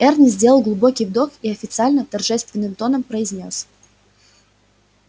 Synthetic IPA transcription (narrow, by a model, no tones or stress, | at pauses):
ɛrnʲɨzʲdʲe̞lˠəlˠɡlˠʊbo̞kʲijvd̪o̞kiɐfʲɪt̪sɨalʲnət̪ɐrʐɛst̪vʲɪnːɨmt̪o̞nəmpɾəɪzʲnʲo̞s